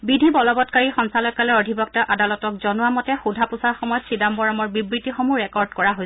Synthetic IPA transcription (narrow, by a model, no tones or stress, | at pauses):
bidʱibɔlɔbɔtkaɹixɔnsalɔjkalɛɔdʱibɔk̚taʔadalɔtɔkzɔnʊwamɔtɛxudʱapusaɹxɔmɔjɔtsidambɔɹamɔɹbibɹitixomuɹɛkɔɹdkɔɹaɦojs